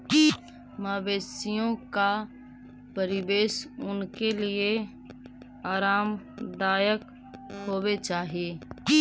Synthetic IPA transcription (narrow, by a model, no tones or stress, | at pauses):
i | maːbeːsijõka | pəɾɪʋeːʃʊnkelɪe | aːɾaːm | d̪aːjək | ɦoːwet͡ʃaːɦieː